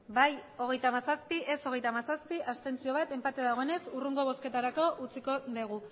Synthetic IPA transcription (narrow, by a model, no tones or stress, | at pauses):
bajo̞ɣ̞e̞jt̪amasaspiʔe̞so̞ɣ̞e̞jt̪amasaspiʔast̪e̞nt͡sio̞β̞at̪e̞mpat̪e̞ðaɣo̞ene̞suruŋɡo̞β̞o̞ske̞t̪aɾako̞ʔut͡siko̞ðeɣ̞u